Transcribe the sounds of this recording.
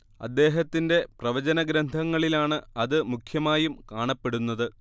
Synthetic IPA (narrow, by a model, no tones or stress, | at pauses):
ɐ̰d̪ːe̞ːɦɐt̪ːinde̞prɐʋɐd͡ʑɐnɐɡɾɐnd̪ʱɐŋːɐɭilaːɳɨɐðɨmukʰjɐmaːjumkaːɳɐpːe̞ɽunːɐðɨ